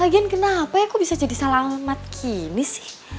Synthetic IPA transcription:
aɡiankənapajakubisad͡ʒadisalamat̪̚kʰinisɪ̥h

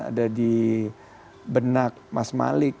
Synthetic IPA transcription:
a̰dadi | bənak̚masma̰lɪk̚

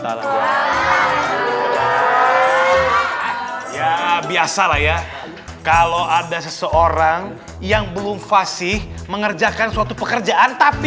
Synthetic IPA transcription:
ala̰ | a | jabiasalahja | kaloadasəsəoɾaŋ | jaŋbəlʊmfasɪhməŋərd͡ʒakansuat̪upəkərd͡ʒaʔant̪api

